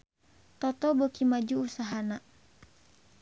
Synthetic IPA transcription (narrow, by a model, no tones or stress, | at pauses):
t̪ɔt̪ɔbokimad͡ʒuːsaɦana